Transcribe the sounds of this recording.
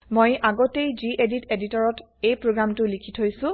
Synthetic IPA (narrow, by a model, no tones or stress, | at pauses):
mojʔaɡotejziʔeditʰeditɔɹɔt | ejpɹoɡɹamtʊlikʰitʰojsʊ̃